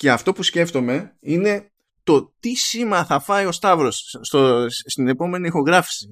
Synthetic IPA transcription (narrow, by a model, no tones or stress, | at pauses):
ce̞ɐft̪o̞pusce̞ft̪o̞me̞ine̞ | t̪o̞t̪isimɐθɐfɐio̞st̪ɐvɾo̞sːt̪ost̪ine̞po̞me̞niixo̞ɣɾɐfi̥si